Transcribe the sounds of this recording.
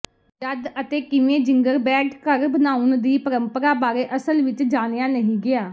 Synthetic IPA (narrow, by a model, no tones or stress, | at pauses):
d͡ʒəd̪ət̪eːkɪʋẽːd͡ʒɪŋɡəɾbɛːʈkəɾbənaːʊnd̪iːpəɾəmpəɾaːbaːɾeːʔəsəlʋɪt͡ʃd͡ʒaːnejaːnəɦĩːɡɪaː